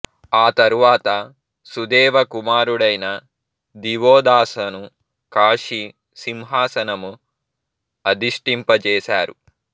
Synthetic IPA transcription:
aːt̪ɐɾuʋaːt̪ɐ | sud̪ɛːʋɐkumaːɾuɽɐjnɐ | d̪iʋoːd̪aːsɐnu | kaːʂi | simɦaːsɐnɐmu | ɐd̪iʂʈimpɐt͡ʃɛːʃaːɾṵ

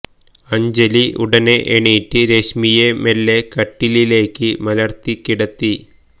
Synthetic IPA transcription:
ɐɲd͡ʑɐliʔṵɽɐneʔeɳiʈːɨɾeɕmijemelːekɐʈːilile̞ːkːɨmɐlɐrt̪ikːiɽɐt̪ːi

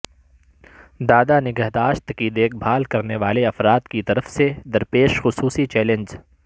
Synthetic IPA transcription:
d̪aːd̪anɪɡəɦd̪aːʃt̪kid̪eːk̚bʱaːlkɐɾneʋaːleɐfɾaːt̪kit̪ɐɾəfsed̪ɐɾpeːʃxʊsuːsit͡ʃɛːlə̃nd͡ʒ

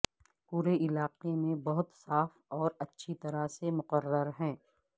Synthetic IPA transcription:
puːɾeʔɪlaːqemẽbɐɦʊt̪saːfɔːɾɐtːʃʰit̪ɐɾasemʊqəɾːəɾɦɛ̃ː

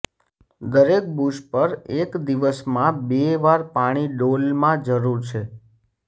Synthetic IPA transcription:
d̪əɾek̚buʃpəɾekd̪iʋəsmãbeʋaɾpaɽ̃iɖolmãd͡ʒəɾuɾt͡ʃʰe

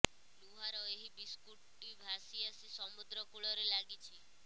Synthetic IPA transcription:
luɦaɾɔeɦibiskuʈʈːibʱasiəsisɔmud̪ɾɔkuɭɔɾelaɡit͡ʃʰi

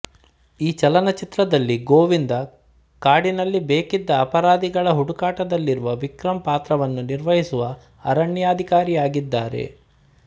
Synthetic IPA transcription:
iːt͡ʃɐlɐnɐt͡ʃit̪ɾɐd̪ɐlːiɡoːʋind̪ɐ | kaːɽinɐlːibeːkid̪ːɐːpɐɾaːd̪iɡɐɭɐɦuɽukaːʈɐd̪ɐlːiɾuʋɐʋikɾɐmpaːt̪ɾɐʋɐnːuniɾʋɐɦisuʋɐ | ɐɾɐɳːjaːd̪ʱikaːɾijaːɡid̪ːaːɾe̞̰

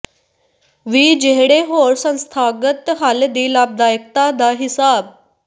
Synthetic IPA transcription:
ʋiːd͡ʑeɦɽeɦoɾsə̃nst̪ʰaːɡət̪ɦald̪iːlaːb̚d̪aːjək̚t̪ad̪aɦisaːb̚

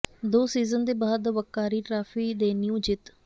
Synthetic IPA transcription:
d̪oːsiːzənd̪eːbaːd̪ʋəkːaːɾiːʈɾaːfiːd̪eːnjũːd͡ʒɪt̪

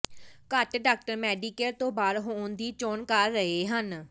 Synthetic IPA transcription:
kəʈɖaːk̚ʈəɾmɛːɖiːkelt̪õːbaːd̪ɦoːnd̪iːt͡ʃoːnkəɾːəɦeːɦən

